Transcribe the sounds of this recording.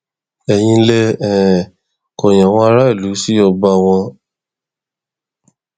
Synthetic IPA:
ɛ˨j̃ĩ˧le˧ɛ˨ | kɔ˨j̃ã˨w̃ɔ̃˧a˧ɾa˦i˦˨lu˨˦si˦ɔ˧ba˧w̃ɔ̃˧

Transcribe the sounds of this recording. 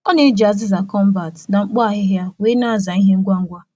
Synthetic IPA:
ɔ˦ne˨˦d͡ʒa˨zɪ˦za˨kɔ˦m˦ba˨tna˨ŋ͡m̩˦k͡pɔ˦a˨ɦɪ˦ɦja˦weː˦na˦˨za˨i˦ɦe˦ŋ̩˦ɡʷa˦ŋ̩˦ɡʷa˦

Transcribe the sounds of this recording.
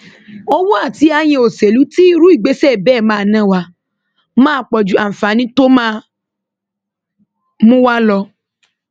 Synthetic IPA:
o˧wo˦a˦˨ti˧˦a˧j̃ĩ˧o˨se˨lu˨˦ti˦ɾu˨˦i˦˨ɡ͡be˨˦sɛ˦˨bɛː˦˨mãː˦˧˨nã˦wa˧ | mãː˦k͡pɔ˨d͡ʒu˨˦a˨fa˨˦nĩ˦to˦mãː˦ | mũ˦wa˦lɔ˧

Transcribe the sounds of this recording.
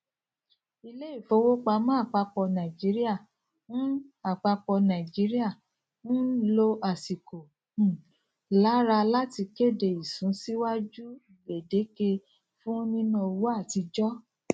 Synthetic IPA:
i˧le˦i˦˨fo˨˧˦wo˦k͡pa˧mã˦a˦˨k͡pa˧k͡pɔ˧nã˨d͡ʒi˨˦ɾi˦a˦˨ | nũ˦a˦˨k͡pa˧k͡pɔ˧nã˨d͡ʒi˨˦ɾi˦a˦˨ | nũ˦lo˧ʔa˨si˨kõ˨ | la˨˦ɾa˧la˦ti˧ke˦˨de˨i˨sũ˨˦si˦wa˦d͡ʒu˦˨be˨de˨˦ke˧ | fũ˦nĩ˦nũ˦˧˨wo˦a˦˨ti˧d͡ʒɔ˦

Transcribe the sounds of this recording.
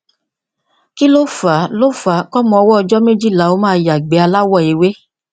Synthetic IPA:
ki˦lo˦fa˨˦lo˦fa˨˦kɔ˦mɔ̃˧ɔ˧wɔ˦ɔ˧d͡ʒɔ˦me˦d͡ʒi˦˨la˨˦˨o˨˦mãː˦˧ja˨ɡ͡be˨˦a˧la˦wɔ˦˨e˨we˦

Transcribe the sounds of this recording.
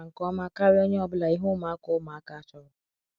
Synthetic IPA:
ŋ̩˨kɔ˦ma˦ka˦ɾɪ˦o˦ɲe˦ɔ˨bʊ˦la˨i˦ɦʊ˦ma˦a˦kʊ˦ma˨a˦ka˦t͡ʃɔ˦ɾʊ˦

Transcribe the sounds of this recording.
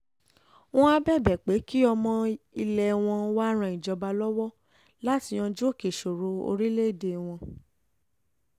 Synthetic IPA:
w̃ɔ̃˦a˧bɛ˦˨bɛ˨k͡pe˨˦ki˦ɔ˧mɔ̃˧i˧lɛ˨w̃ɔ̃˧wa˦ɾ̃ã˧˨ĩ˨d͡ʒɔ˧ba˧lɔ˦wɔ˦ | la˦ti˧j̃ɔ̃˧d͡ʒu˦o˦˨ke˨ʃo˨ɾo˨˦o̰˧ɾi˦le˦˨de˨w̃ɔ̃˧

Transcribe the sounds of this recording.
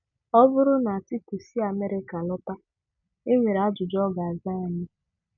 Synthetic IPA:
ɔ˦vʊ˦ɾʊ˦na˨a˨ti˦ku˨si˦a˨me˦ɾɪ˦ka˨lɔ˦pa˦ | ɪ˦ŋʷe˨ɾa˨˦d͡ʒʊ˨d͡ʒɔ˦ɡa˨a˨za˦˨ɲɪ˦

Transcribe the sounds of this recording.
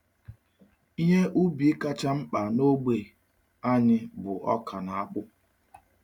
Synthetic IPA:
i˦ɦe˦ʔu˦bi˨ɪ˦ka˦t͡ʃa˦m̩˦k͡pa˨no˦ɡ͡be˨ | a˦ɲɪ˦bʊ˨ʔɔ̰˦kʰa˨na˨a˦k͡pʊ˦

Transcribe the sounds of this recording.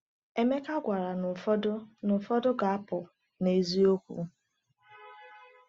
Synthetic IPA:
e˦me˦ka˦ɡʷa˨ɾa˨n˨fdnʊ˨fɔ˦dʊ˦ɡa˨a˦pʊ˨ | ne˨˦zi˦o˦kʷṵ˨˦

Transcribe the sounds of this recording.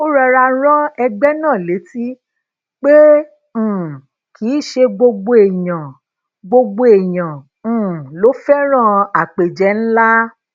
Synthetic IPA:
o˦ɾa˧ɾa˧˦ɾ̃ɔ̃˦ɛ˧ɡ͡bɛ˦nãː˦˨le˨˦ti˦ | k͡pẽ˦˨ | ki˨˦˨ʃe˧ɡ͡bo˧ɡ͡bo˧˦e˨jã˨ | ɡ͡bo˧ɡ͡bo˧e˨jã˨ | lo˨˦fɛ˦ɾ̃ã˦a˨k͡pe˨d͡ʒɛ˨˦n̩˦la˦

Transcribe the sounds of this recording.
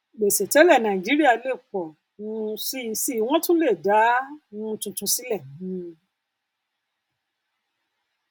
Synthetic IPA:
ɡ͡be˨sɛ˨tɛ˨˦lɛ˦˨nã˨d͡ʒi˨˦ɾi˦a˦˧˨le˦˨k͡pɔ˨ | nũ˦˧si˦˧si˦˨˦w̃ɔ̃˦tũ˦le˦˨da˨˦nũ˧tũ˧tũ˧si˦lɛ˦˨nĩ˨˦

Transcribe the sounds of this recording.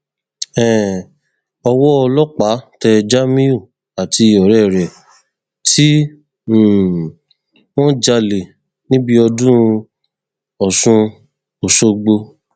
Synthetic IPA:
ɛ̃˨ | ɔ˧wɔ˦ɔ˧lɔ˦k͡pa˨˦tɛ˧d͡ʒa˦mĩ˦u˦˨ | a˨ti˧˨ɔ˨ɾɛ˦˨ɾɛ˨ | tʰi˦˨ | w̃ɔ̃˦d͡ʒa˧le˨ | nĩ˦bi˧ɔ˧dũ˦˧ | ɔ˨sũ˧ | o˨so˧ɡ͡bo˧

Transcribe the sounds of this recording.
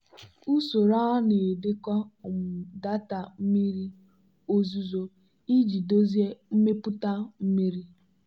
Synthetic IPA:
u˦so˨ɾa˦ne˨e˨de˦kɔ˦˨m̩˨da˦ta˨m̩˦mi˦ɾi˦ | o˦zu˨zo˦ | i˦d͡ʒi˨do˦ze˦m̩˦me˦pʊ˦ta˦m̩˦mi˦ɾi˦

